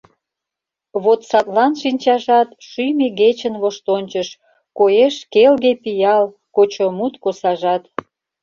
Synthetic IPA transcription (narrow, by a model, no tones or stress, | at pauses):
βot̪sɑt̪lɑnʃinʲt͡ɕɑʒɑt̪ʃyjmiɡet͡ɕənβoʃt̪onʲt͡ɕəʃ | kojeʃkelɣepijɑl | kot͡ɕomut̪kosɑʒɑt̪